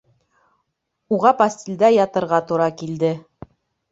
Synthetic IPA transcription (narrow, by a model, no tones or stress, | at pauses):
uʁɑpɐsʲt̪ʲɪlʲd̪æjɑt̪ɤ̆ɾʁɑt̪uɾɑkild̪ɘ